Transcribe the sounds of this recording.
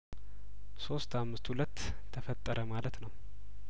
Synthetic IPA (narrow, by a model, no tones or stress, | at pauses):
so̞st̪ʰamːɨst̪hulət̪ːʰ | əfət̪ʼːəɾʔəmalət̪nəw